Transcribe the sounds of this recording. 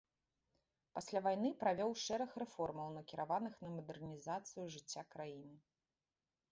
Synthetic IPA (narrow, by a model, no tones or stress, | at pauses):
pasʲlʲavajnɨpɾavʲɔwʂɛɾɐxrɛfɔrmɐwnɐkʲiɾavanɨxnɐmɐd̪ɛrnʲizat̪sɨjuʐɨt͡sʲːakɾajinɨ